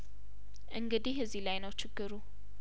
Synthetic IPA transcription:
ʔɨŋɡɨd̪iɦɨzilajnəwt͡ʃʰɪɡːɨɾu

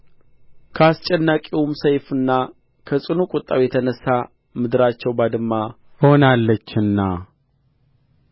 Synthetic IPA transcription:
kʰəast͡ʃʼɛnːakʼiwumsəjfɨnːa | kʰəsʼɨnukʼʊt̪ʼːawjɛt̪ʰənəsːa | mɨd̪ɨɾat͡ʃːɛwbad̪ɨmːa | hho̞nalːət͡ʃːɨnːa

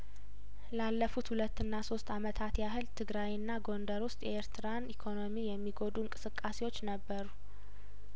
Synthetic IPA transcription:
lalːəfut̪hulət̪ːɨnːaso̞st̪amət̪ʰat̪jaɦɨlt̪ʰɨɡɾajɨnːaɡo̞nd̪əɾwʊst̪ʼjɛeɾt̪ʰɨɾanikʰo̞no̞mijɛmːiɡo̞d̪uɨŋkʼɨ̥sɨkʼːase̞wo̞t͡ʃːnəbːəɾu

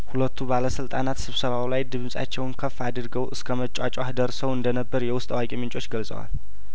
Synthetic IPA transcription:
hulət̪ʰːubaləsɨlt̪ʼanat̪sɨβsəβawlajd̪ɨβɨmsʼa̰t͡ʃːɛwnkʰəfːad̪ɾɡəwʔɨskʰəmət͡ʃʼat͡ʃʼwahd̪əɾsəwɨnd̪ənəbːəɾjɛwʊst̪ʼawakʼimɨnt͡ʃʼo̞t͡ʃːɡəlsʼə̰wa̰l

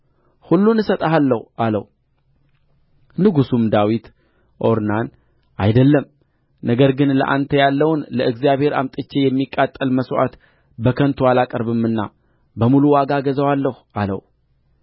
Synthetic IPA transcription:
hulːunɨsət̪ʼəɦalːəhʔaləw | nɨɡusumd̪awit̪ | ʔo̞ɾnan | ʔajd̪əlːəm | nəɡəɾɡɨnlə̰ʔa̰nt̪ʰəjalːəwnləʔɨɡzijaβhe̞ɾa̰mt̪ʼɨt͡ʃːejɛmːikʼːat̪ʼːəlməsʔa̰t̪ | bəkʰənt̪ʰualakʼəɾbɨmːɨnːa̰ | bəmuluwaɡaɡəzəwalːəhuʔalə̰w

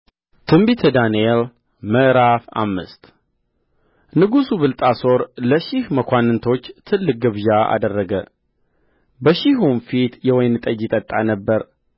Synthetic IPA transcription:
t̪ʰɨmbit̪ʰəd̪aniel | məʔɾafa̰mːɨ̰st̪ | nɨɡusuβɨlt̪ʼaso̞ɾləʃihməkʷanːɨnt̪ʰo̞t͡ʃːt̪ʰɨlːɨk̚ʼɡəβʒaʔa̰d̪ərːəɡə | bəʃiɦumfit̪jɛwɔjnɨt̪ʼəd͡ʒɪt̪ʼət̪ʼːanəbːəɾ

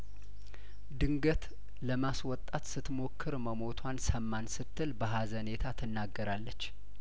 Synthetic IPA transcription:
d̪ɨŋɡət̪ | ləmaswɔt̪ʼːat̪sɨt̪mo̞kʰːɨɾməmo̞t̪ʰwansəmːansɨt̪ʰːɨlbəɦazəne̞t̪ʰat̪ʰɨnːaɡːəɾalːət͡ʃː

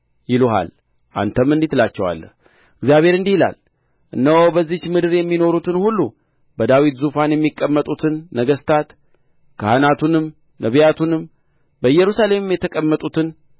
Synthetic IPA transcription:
jɪluɦa̰l | ʔa̰nt̪ʰəmːɨnd̪it̪lat͡ʃːɛwa̰lːə̰h | ɨɡzijaβhe̞ɾɨnd̪ihla̰l | ʔɨnːəwbəzːit͡ʃmɨd̪ɨɾjɛmːino̞ɾut̪ʰɨnhulːu | bəd̪awit̪zufanjɛmːikʼːəmːət̪ʼut̪ʰɨnːəɡəst̪ʰat̪ | kʰəhanat̪ʰunɨm | nəβjat̪ʰunɨm | bəɨjːɛɾusale̞mɨmjɛt̪ʰəkʼəmːət̪ʼut̪ʰɨn

